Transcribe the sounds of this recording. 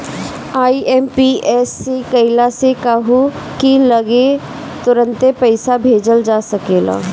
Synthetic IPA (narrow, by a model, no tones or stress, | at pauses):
aːiɛːmpiɛːsːekɐɪlasekaːɦu | kilɐɡe | t̪ʊɾə̃nt̪epəɪsabʱeːd͡ʒəld͡ʒaːsɐkeːla̰ː